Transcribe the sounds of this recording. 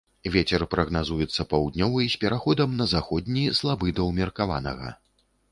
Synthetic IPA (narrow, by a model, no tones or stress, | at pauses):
vʲet͡sʲɛrpɾɐɣnazujɛt̪sːɐpawd̪̚ʲnʲɔvɐisʲpʲɛɾaxɔd̪ɐmnɐzaxɔd̪̚ʲnʲislˠabɨd̪ɐwmʲɛrkava̰nɐ̰ɣɐ̰